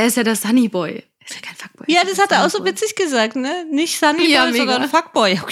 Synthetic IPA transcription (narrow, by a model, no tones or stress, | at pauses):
ʔɛːɐɪstjaːdasz̥anibɔʏ | ɪsjakʰaɪnfak̚b̥ɔjaːdashateːɐʔaʊxz̥oːvɪt͡sɪçɡ̥əzaːk̚tnənɪçtz̥aniɔzɔndɐnfak̚b̥ɔʏaʊ